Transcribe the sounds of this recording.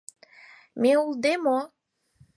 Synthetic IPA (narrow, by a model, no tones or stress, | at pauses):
meuld̪emo